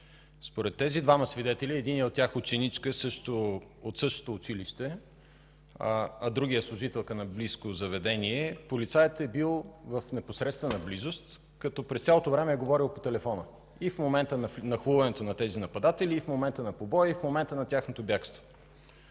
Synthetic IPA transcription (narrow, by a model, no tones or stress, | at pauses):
spoɾɛt̪ːɛzid̪vaməsvid̪ɛt̪ɛliɛd̪iniɛot̪tʲjaxot͡ʃɛnit͡ʃkəsɤʃt̪oot̪sɤʃt̪o̥t̪oːt͡ʃiliʃt̪ɛ | ɐd̪ɾuɡʲijəslˠʊʒit̪ɛlˠkənɐbliskozɐvɛd̪ɛniɛpolit̪sajət̪ɛbilˠvəfnɛposɾɛt̪st̪vɛnɐblizost̪ | kɐt̪ɔpɾɛst̪sʲalˠot̪ovɾɛmɛːɡovɔɾilˠpot̪ɛlɛfɔnə | ifmomɛnt̪ənnɐxuvɐnɛt̪onɐt̪ɛzinɐpɐd̪at̪ɛliːfmomɛnt̪ənɐpobɔjəifmomɛnt̪ənɐt̪ʲaxnot̪objakst̪vo̥